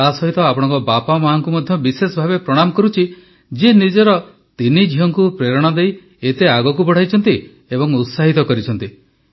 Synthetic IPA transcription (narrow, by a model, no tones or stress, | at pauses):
asɔɦit̪ɔapɔɽ̃ɔ̃ŋkɔbapamaɦaŋkumɔd̪ʱjɔbisesɔbʱabepɾɔɽ̃amɔkɔɾut͡ʃʰi | d͡ʒenid͡ʒɔɾɔ | t̪inid͡ʒʱiɦɔŋkupɾeɾɔɽ̃ad̪ej | et̪eaɡɔk̬ubɔɽ̤ajt͡ʃʰɔnt̪i | ebɔŋut̪saɦit̪ɔkɔɾit͡ʃʰɔnt̪i